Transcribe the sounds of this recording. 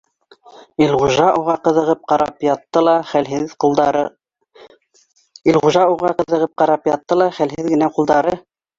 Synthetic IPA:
ilʁuʒɑʔuʁɑqɤ̆ðɤ̆ʁɤp̚qɑɾɑpjɑt̪ːɤlˠɑχælɦɘðqulˠd̪ɑɾɤ | ilχuʒɑuʁɑqɤ̆ðɤ̆ʁɤp̚qɑɾɑpjɑt̪ːɤlˠɑχælɦɘðɡɘ̆næqulˠd̪ɑɾɤ

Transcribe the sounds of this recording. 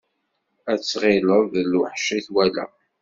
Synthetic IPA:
æt͡sːʁɪləðluħʃiθwælæ̰

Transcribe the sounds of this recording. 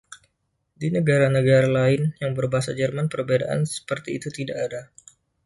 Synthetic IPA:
dinəɡaɾanəɡaɾalaɪnjaŋbərbaɦasad͡ʒərmanpərbeda̰ʔa̰nsə̥pərt̪iːt̪ut̪idakada

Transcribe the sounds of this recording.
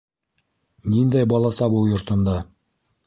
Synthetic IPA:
nind̪æjbɒlˠɑsɑbujŏɾt̪ɤ̆nd̪ɑ

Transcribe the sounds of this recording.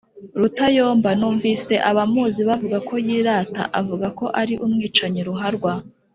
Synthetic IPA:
ɾutajo̞ːmbanuːɱviːse̞ʔaβamuːziβavuɡakʰo̞jiːɾaːta̰ʔavuɡako̞ʔaɾiʔumŋiːt͡ʃaɲiɾuɦaɾɡwa

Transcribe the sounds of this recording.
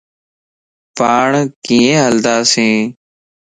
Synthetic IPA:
paːɳkĩːẽːɦəld̪aːsẽː

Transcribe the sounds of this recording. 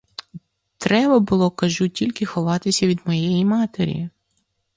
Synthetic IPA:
t̪ɾɛbɐbʊlˠɔkɐʒutʲilʲkɪxɔʋɑt̪ɪsʲɐʋʲid̪mɔjejimɑt̪eɾʲi

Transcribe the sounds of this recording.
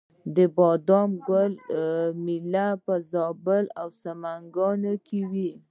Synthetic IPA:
d̪əbɑd̪ɑmɡəlmilapəzɑbəlawsamaŋɡɑnokʰewi

